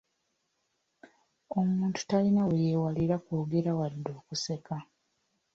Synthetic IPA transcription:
o̞muːntu̥talinawejewaliɾakoːɡe̞ɾawadːo̞ːkuse̞ka

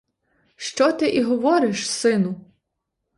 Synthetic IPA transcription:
ʃt͡ʃɔt̪ɪʔiɦɔʋɔɾɪʃsɪnʊ

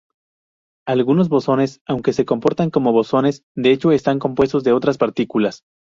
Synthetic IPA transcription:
alɣuno̞zβo̞so̞ne̞sawŋke̞se̞ko̞mpo̞ɾt̪aŋko̞mo̞βo̞so̞ne̞s | d̪e̞et͡ʃo̞e̞st̪aŋko̞mpwe̞st̪o̞zðe̞o̞t̪ɾaspaɾt̪ikulas

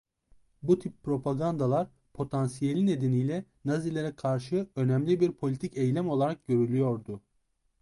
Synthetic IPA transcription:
but̪ʰipːɾo̞pʰaɡand̪alˠaɾ | pʰo̞t̪ʰansijelʲine̞d̪e̞nijlʲɛ | nazilʲeɾɛkʰaɾʃɯø̞næmlʲibiɾpʰo̞lʲit̪ʰicɛjlʲɛmo̞lˠaɾak̚ɟø̞ɾylʲyjo̞ɾd̪ʊ

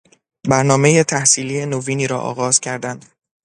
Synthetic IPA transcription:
bæɾnɒːme̞jet̪ʰæhsiːliːe̞noviːniːɾɒ̰ːʔɒ̰ːɣɒːz̥cʰæɾd̪ænd̪̥

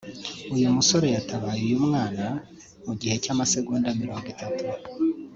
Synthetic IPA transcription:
ujumuso̞ɾe̞jataβaːjujumŋaːna | muɟihe̞caːmase̞ɡuːndamiɾo̞ːŋɡitatu

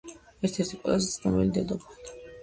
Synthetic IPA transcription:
ɛɾt̪ʰɛɾt̪ʰikʼwɛ̰lazɛt̪sχnɔmilid̪ɛd̪ɔbt̪ʰ

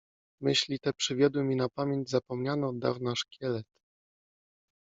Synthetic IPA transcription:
mɘɕlʲit̪ɛpʂɘvʲjɔd̪wɘmʲinapamʲjeɲd͡ʑzapɔmɲanɔd̪a̰vnaʂkʲʰɛlɛt̪

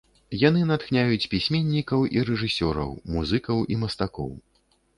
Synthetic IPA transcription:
jan̪ɨnat̪xnʲajut͡sʲpʲisʲmʲenʲːikɐwʔiɾɛʐɨsʲɔɾɐ̰wmuzɨkɐwʔimɐst̪akɔ̰w

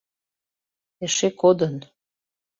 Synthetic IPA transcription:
ĕʃekod̪ən

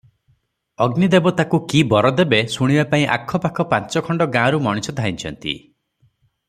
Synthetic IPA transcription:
ɔɡnid̪ebɔt̪akukibɔɾɔd̪ebesuɽ̃ibapaĩʔa̰kʰːɔpakʰɔpãnt͡ʃɔkʰɔɳɖɔɡãɾumɔɽ̃isɔd̪ʱaĩnt͡ʃʰɔnt̪ḭ

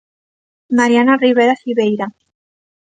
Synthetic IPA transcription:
maɾianariβeɾasiβejɾa

